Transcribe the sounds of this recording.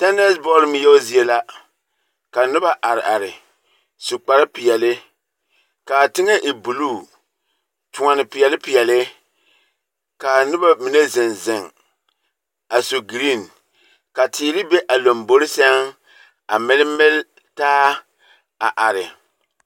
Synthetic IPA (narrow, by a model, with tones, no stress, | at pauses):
ta˦nɛ˦sbɔ˦lm˦jɛ˦zi˨˦e˦la˦ | ka˨nɪ˦ba˦ʔa˨ɾɪ˨ʔa˨ɾɪ˨ | su˨k͡pa˨ɾa˦pɪ˨jɛ˨lɪ˦ | ka˨tɪ˦ŋɛ˦ʔɪ˨bu˨luː˦˨ | tʊ˨ŋa˨nɪ˨pɪ˨jɛ˨lɪ˦pi˨ɛ˨lɪ˦ | ka˨nɪ˦ba˦mi˨ne˦zɪ˨nzɪ˨ŋ | a˨so˨ɡɾi˦˨n | ka˨tʰiː˨˦lɪ˦be˦ʔa˨lo˨mbo˦ɾɪ˦sɛ˦ŋ | a˨mɛ˦lɪ˦mɛ˦l | taː˦ | a˨ʔa˨ɾɪ˨